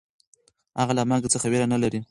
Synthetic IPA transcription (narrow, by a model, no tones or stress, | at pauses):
haɣalamaɡt͡səxaweɾanalaɾi